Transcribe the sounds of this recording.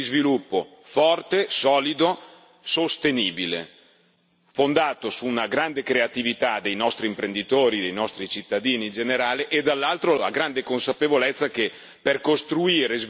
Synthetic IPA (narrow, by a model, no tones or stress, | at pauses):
izvilupːo̰ | fɔrt̪esɔːlid̪o | sost̪eniːbilḛ | fond̪aːt̪osuːnaɡɾand̪ekɾeat̪ivit̪ad̪ejnɔst̪ɾiːmpɾend̪it̪oːɾid̪ejnɔst̪ɾit͡ʃit̪ːad̪iːnind͡ʒeneɾaːleʔːd̪alːalt̪ɾola̰ɡɾand̪ekonsapevolet̪sːake | perkost̪ɾuiːɾez